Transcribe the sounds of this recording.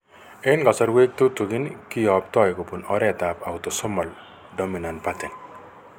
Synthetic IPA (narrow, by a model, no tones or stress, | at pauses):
enɡɔsɔɾwek̚t̪ut̪uɡinkijɔp̚t̪ɔjɡupunɔɾɛt̪apawt̪ɔsɔmɔl | ɖɔminanpat̪ɛn